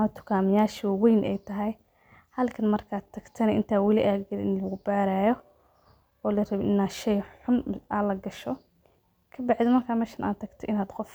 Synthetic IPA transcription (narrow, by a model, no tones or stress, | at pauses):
at̪ʊ̥kʰaːmɪjaːʃwwɛjnʔɛ̰jt̪ʰɐɦɐj | hɐlkʰɐnmɐrkʰat̪ʰːɐkt̪ʰɐnʔɪnt̪ʰaːwɐliʔaːɡɡɐlɪnlɐɡʊbaːɾajɔ | ɔːlɪrɐbʔɪnaʃɛjħʊmaːlɐɡɐʃɔ | kʰɐbaʕd̪ɪmɐrkʰaːmɛʃɪnʔa̰ːt̪ːɐkt̪ʰɔʔɪnaːd̪qɔf